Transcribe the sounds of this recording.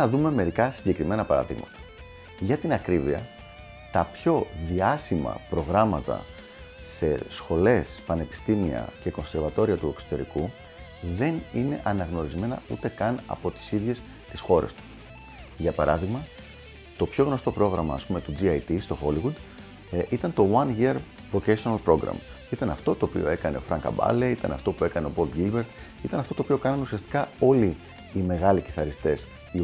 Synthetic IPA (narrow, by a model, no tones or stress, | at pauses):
nɐðume̞me̞ɾikɐsiɲɟe̞kɾime̞nɐpɐɾɐ̰ðḭɣmɐ̰t̪ɐ̥ | ʝɐt̪inɐkɾiviɐ | t̪ɐpço̞ðiɐsimɐ̰pɾo̞ɣɾɐmɐt̪ɐ̰ | se̞sxo̞le̞spɐne̞pi̥st̪imiɐ̰ce̞ko̞nse̞ɾvɐt̪o̞ɾiɐt̪ue̞ksot̪e̞ɾḭku | ðe̞nine̞̰ʔɐnɐɣno̞ɾizme̞nɐut̪e̞kɐnɐ̰po̞t̪i̥siðʝe̞s | t̪isxo̞ɾe̞̰st̪u̥s | ʝɐpɐɾɐðiɣmɐ | t̪o̞pço̞ɣno̞st̪o̞pɾo̞ɣɾɐmɐːspume̞t̪ud͡ziɐjt̪ist̪o̞xo̞liɣud̪ | it̪ɐnt̪o̞wɐnʝiɐɾ | vo̞cesonɐlpɾo̞ɡɾɐ̰m | it̪ɐnɐft̪o̞t̪o̞ːpḭo̞̰e̞kɐne̞̰o̞fɾɐŋkɐ̰bɐ̰leit̪ɐ̰nɐ̰ft̪o̞pue̞kɐne̞o̞po̞lt̪ɡilbe̞ɾt̪ | it̪ɐnɐft̪ot̪oːpio̞kɐnɐnusiɐst̪i̥kɐo̞liː | me̞ɣɐliciθɐɾist̪e̞s | i